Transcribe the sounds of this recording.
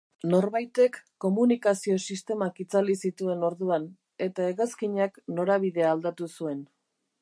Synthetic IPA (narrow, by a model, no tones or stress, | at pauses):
no̞ɾβajt̪e̞kːo̞munikasio̞sist̪e̞makit͡salisit̪ue̞no̞ɾðuan | e̞t̪ae̞ɣaskiɲakno̞ɾaβ̞iðe̞aːld̪at̪usue̞n